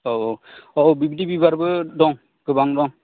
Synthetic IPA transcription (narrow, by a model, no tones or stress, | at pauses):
ɔɔbibidibibaɾbɯdɔŋ | kɯbaŋdɔŋ